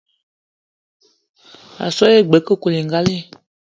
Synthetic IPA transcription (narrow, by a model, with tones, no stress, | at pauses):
a̰˨sɔ˦e˦˨ɡ͡bɛ˨˦kə˦˨ko˨le˨ŋ˨ɡa˦le˦˨